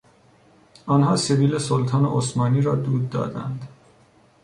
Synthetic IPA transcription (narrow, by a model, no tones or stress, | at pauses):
ɒnɦɒːseviːlesolt̪ʰɒːnḛʔosmɒːniːɾɒːd̪uːd̪ːɒ̰ːd̪æ̰nd̪